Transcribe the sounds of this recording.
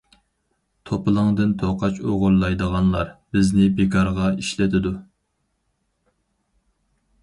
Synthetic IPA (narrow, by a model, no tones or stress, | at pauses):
t̪ʰopɨlˠəŋd̪ɨnt̪ʰoqɑt͡ʃoʁʊɾlˠɑjd̪əʁɑnlˠɑɾbɪznɪbekʰɑɾʁɑiʃlɪt̪ʰɪd̪u